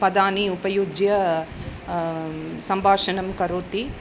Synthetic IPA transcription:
pɐd̪aːniupɐjoːd͡ʒjɐ | sɐmbʱaːʂɐnɐmkɐɾoːt̪i

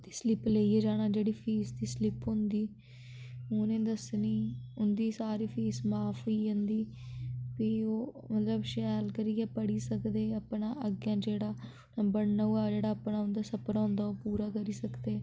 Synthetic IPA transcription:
d̪iːslɪpleːieːd͡ʒaːɽ̃aːd͡ʒeːɽiːpʰiːsd̪iːslɪpɦʊ̃nd̪iː | oːnẽːd̪əsniːʊnd̪iːsaːɾiːpʰiːsmaːfʰɦoiːɦõnd̪iː | pioː | mət̪ləbʃɛːlkəɾiːɛːpəɽiːsəkd̪eːəpnãːʔəɡjãːd͡ʒeːɽaː | nəmbəɾnauaːd͡ʒeːɽaːəpnaːʊnd̪aːsəpəɾõːnd̪aːoːpuːɾaːkəɾiːsəkd̪eː

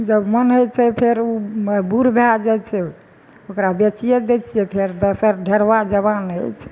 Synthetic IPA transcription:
d͡ʒəbmənɦojt͡ʃʰɛpʰeɾubuɾbʱad͡ʒat͡ʃʰɛ | okɾabet͡ʃijed̪et͡ʃʰiɛpʰeɾd̪əsəɾɖʱeɾʋad͡ʒəβanɦo̰t͡ʃʰɛ̥

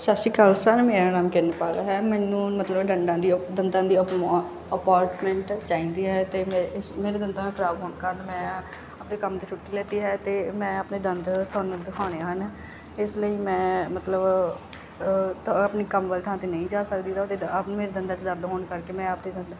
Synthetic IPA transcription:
sasiːkəlsəɾmeːɾaːnaːmkɪɾnepaːlaːɦɛːmɛ̃ːnũːmət̪ləbɖəɳɖãːd̪iːd̪ənd̪ãːd̪iː | əpaːɾʈmɛ̃ːɳʈt͡ʃaːĩːnd̪iːɦɛːt̪eːɪsmeːɾeːd̪ənd̪ãːkʰəɾaːbɦoːnkəɾənmɛ̃ː | əpneːkəmt̪eːt͡ʃʰʊʈːiːlɛːt̪iːɦɛːt̪eːmɛ̃ːəpneːd̪ənd̪t̪ʰʊaːnũːd̪ɪkʰaːñeːɦən | ɪsləiːmɛ̃ːmət̪ləb | pniːkəmʋəːlt̪ʰãːt̪eːnəĩːd͡ʒaːsək̚d̪iːt̪at̪eːmeːɾeːd̪ənd̪ãːt͡ʃd̪əɾd̪ɦoːnkəɾkeːmɛ̃ːəpd̪eːd̪ənd̪

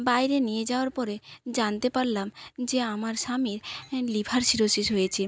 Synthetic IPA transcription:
bajɾenijed͡ʑaoaɾpɔɾed͡ʑant̪epaɾlamd͡ʑeamaɾʃamiɾlibʱaɾʃiɾoʃiʃɦojet͡ɕʰi

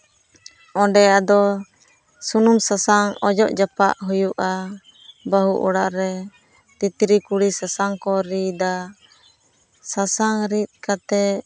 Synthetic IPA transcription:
ɔ̃ɖɛad̪ɔ | sunumsasaŋɔd͡ʒɔʔd͡ʒapaʔɦujuʔa | baɦuʔuɽaʔɾɛ | t̪it̪ɾikuɽisasaŋkɔɾid̪a | sasaŋɾit̪̚ˀkat̪ɛ

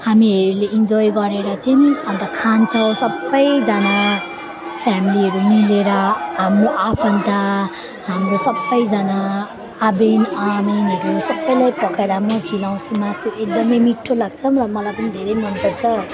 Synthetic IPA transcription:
hamiɦʌɾuleʔind͡zojɡʌɾeɾʌt͡sʌnʌnt̪ʌkʰant͡sʰʌw̃sʌbːʌjd͡zana | pʰjamiliɦʌɾumileɾʌɦamroʔapʰʌnt̪a | ɦamrosʌbːʌjd͡zana | abinaminɦʌɾunsʌbːʌjlajpʌkʰeɾʌɦamrokʰilaw̃sumasiek̚d̪ʌmʌjmiʈʰːolaɡt͡sʰʌmrʌmʌlajpʌnid̪ʱeɾʌjmʌnpʌrt͡sʰʌ

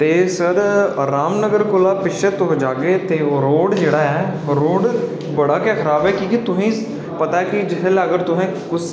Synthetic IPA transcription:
t̪eːsəɾɾaːmnəɡəɾkolaːpɪʃʰet̪õɦod͡ʒaːɡeːt̪eːoːɾoːɖd͡ʒeːɽaːɛːɾoːɖ | bəɽaːkaːkʰəɾaːbɛːkĩːkit̪ʊɦĩː | pət̪aːɛkid͡ʒɪɦlːəɡəɾt̪ʊɦɛ̃ːkʊs

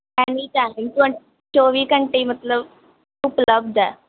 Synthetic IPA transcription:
ænit͡ɕaɦent̪əɳ | t͡ɕoʋiːkəɳʈemət̪ləb | upləb̚d̪a

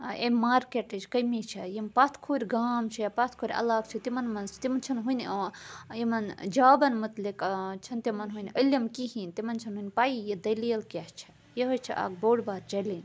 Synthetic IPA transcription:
ḛmaːɾkeʈɨd͡ʒkəjmit͡ʃʰɐjimpat̪ʰkʰuːɾʲɡaːmt͡ʃʰijɐpat̪ʰkʰoːɾʲɐ̰laːkt͡ʃʰit̪imɐnmɐnzt̪imɐnt͡ʃʰɐnɦun | jimɐnd͡ʒaːbɐnmɐt̪likt͡ʃʰɐnt̪imɐnɦunʲəlɐmkiɦinʲt̪imɐnt͡ʃʰɐnɦuinʲpaːijed̪ɐlijɐlkʲɐht͡ʃʰɐ̥ | jeɦot͡ʃʰḭʔa̰ːɡ̚boːɽbaːɾt͡ʃɐlinʲ

